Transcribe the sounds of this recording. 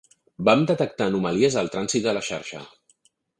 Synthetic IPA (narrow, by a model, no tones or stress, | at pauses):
bamd̪ət̪ək̚t̪aːnuməliəzəlˠt̪ɾanzit̪̚d̪ələʃa̰ɾʃə̰